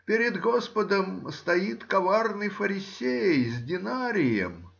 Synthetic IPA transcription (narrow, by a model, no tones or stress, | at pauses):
pʲɪɾʲɪd̪ɡospəd̪əmst̪ɐjit̪kɐvarnɨjfəɾʲɪsʲejjzʲdʲɪnaɾʲɪjə̰m